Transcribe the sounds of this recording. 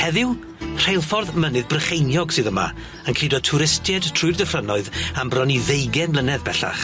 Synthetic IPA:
hɛðɪw | r̥ejlˠfɔrðmənɨðbrəχejnjɔɡsɨðəma̰ | ənkʰr̥idɔtʰʊɾɪstʰjɛdtʰrʊɨrdəfrənɔɨðambrɔniðejɡɛnlənɛðbɛɬa̰χ

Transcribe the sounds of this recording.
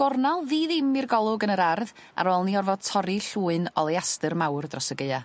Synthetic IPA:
ɔrnalˠðiːðɪmːirɡɔlˠʊɡənəɾarð | a̰ɾɔːlˠniɔrvɔd̥̚tʰɔɾiɬuːɨnɔ̰lˠejastɨrmawrdrɔsəɡeɨa

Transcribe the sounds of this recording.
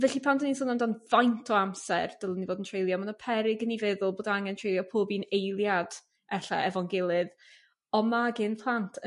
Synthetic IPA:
vɛɬipʰandənisʊːnamdanvajntʰɔamsɛ̰rd̥əlˠənivoːdəntʰr̥ejlˠjɔmanɔpʰɛɾɪɡənivɛðʊlˠboːdaŋɛntʰr̥ejlˠjɔpʰoːbinejlˠjad̥ | ɛɬa̰ɛvɔŋɡɪlˠɨð | ɔmaɡɪnpʰlˠantʰ

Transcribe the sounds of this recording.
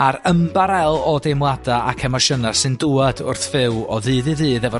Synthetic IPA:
aɾəmbaɾɛlˠɔdemwlˠadaakʰɛmɔʃənasɨnduːadʊ̰rθvɪwɔðɨːðɨðɨːðɛvɔ

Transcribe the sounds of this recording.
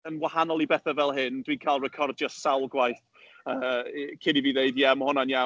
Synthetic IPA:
ənwahanɔlˠibɛθavɛlˠɦɪndwikʰalˠrɛkʰɔrdjɔsawlˠɡwajθ | əːkʰɪniviːðeɨdjɛmhʊnanja

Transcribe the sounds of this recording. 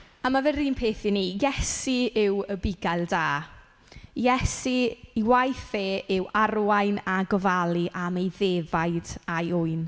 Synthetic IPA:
amavɛɾiːnpʰeːθiniːjɛsiɪwəbɪɡajlˠdaː | jɛsiːwajθeːɪwarwajnaɡɔvalˠiʔamejðeːvajd̥ajʊɨn

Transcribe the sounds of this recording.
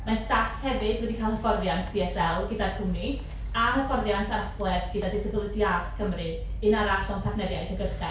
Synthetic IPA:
manstakʰhɛvɨd̥wɛdikʰalˠəfɔrðjantʰd̥iɛsɛlˠɡɪdarkʰuni | anəfɔrðjantʰarəfwɛrɡɪdadɪsɪbɪlˠɪdiadskʰəmrɨ | ɨnaɾaɬɔŋtʰaknɛdja̰jdʰəɡərχɛ̰

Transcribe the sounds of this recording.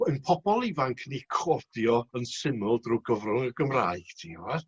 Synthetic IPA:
ənpʰɔbɔlˠivaŋkʰnikʰɔd̥jɔənsɪmʊlˠdruːɡəvrʊŋəɡəmra̰ːɨɡ̥tʰiːɔwar

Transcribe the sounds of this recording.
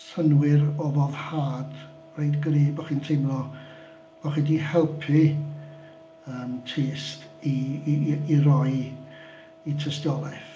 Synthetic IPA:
sənwɪɾɔvɔðhaːd | rejdɡriːbaχintʰejmlɔ | b̥aχindihɛlˠpʰi | əːmtʰeːsti | irɔɨ | itʰəstjɔlˠaθ

